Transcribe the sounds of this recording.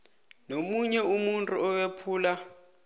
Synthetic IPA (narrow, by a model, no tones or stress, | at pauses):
nomuɲɛumuntʼuɔwepʰuːla